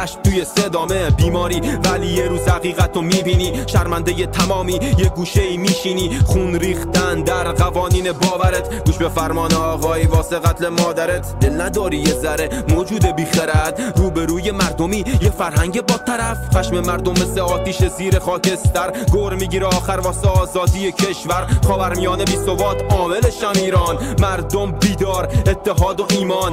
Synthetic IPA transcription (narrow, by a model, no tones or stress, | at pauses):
æʃmt̪uːjesed̪ɒːmebiːmɒːɾiːvæliːjeɾuːzhæɣiːɣæt̪ʰːomiːbiːniːʃæɾmænd̪ejet̪ʰæmɒːmiːjeɡuːʃeiːmiːʃiːniːχunɾiːxt̪ænd̪æɾɣævɒːniːnebɒːvæɾet̪ʰɡuːʃbefæɾmɒːneɒːɣɒːivɒːseɣæt̪ʰlemɒːd̪æɾet̪ʰd̪elnæd̪ɒːɾiːjezæɾemoːd͡ʒuːd̪ebiːχæɾæd̪ɾuːbe̞ɾuːje̞mæɾd̪omiːjefæɾɦæŋɟe̞bɒːt̪ʰæɾæfχæʃmemæɾd̪omːeseɒːt̪iːʃeziːɾeχɒːcʰe̞st̪æɾɡoɾmiːɡiːɾeɒːxæɾvɒːseɒːzɒːd̪iːjecʰe̞ʃvæɾχɒːvæɾmijɒːnebiːso̞bɒːt̪ʰɒːme̞leʃæmiːɾɒːnmæɾd̪ombiːd̪ɒːɾet̪ʰːe̞ɦɒːd̪oʔiːmɒːn